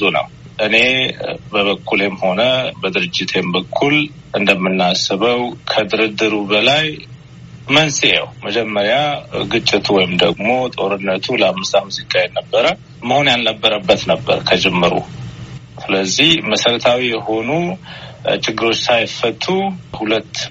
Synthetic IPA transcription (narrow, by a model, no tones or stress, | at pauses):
zunə̰w | ʔɨne̞bəβəkʰːulemho̞nəbəd̪ɨɾɨd͡ʒːɪt̪ʰembəkʰːul | ʔɨnd̪əmːɨnːasɨβəwkʰəd̪ɨɾɨd̪ːɨɾubəlaj | mənsʼiə̰wməd͡ʒɛmːəɾjaɡɨt͡ʃʼːɪt̪ʰwɔjɪmd̪əɡmo̞t̪ʼo̞ɾɨnːət̪ʰuləamːɨst̪amɨzikʼajɛnːəbːəɾə | məhonjalnəbːəɾəbːət̪nəbːə̰ɾkʰəd͡ʒɛmːɨɾṵ | sɨləzːihməsəɾət̪ʰawijɛho̞nu | t͡ʃɪɡːɨɾo̞t͡ʃːsajfət̪ʰːuhulət̪ː